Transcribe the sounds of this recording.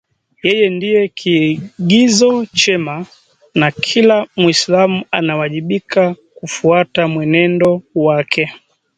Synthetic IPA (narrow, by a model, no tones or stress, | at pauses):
jɛjɛndijɛkʰiɠizɔt͡ʃɛma | nakʰilamwislamuanawaʄiɓikakufuatamwɛnɛndɔwakʰɛ